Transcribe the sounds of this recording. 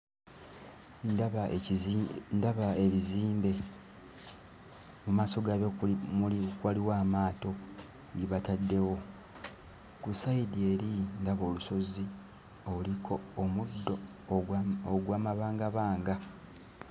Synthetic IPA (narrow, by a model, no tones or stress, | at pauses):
ndβa | ndaβaeβiziːmbe̞ | mumaːso̞ɡaβemulikwaliwaːmaːto̞ | ɟiβatadːe̞wo̞ | kusaidie̞ːɾindaβo̞ːluso̞zi | olikʰo̞ːmudːo̞ | oɡwaːmaβaːŋɡaβaːŋɡa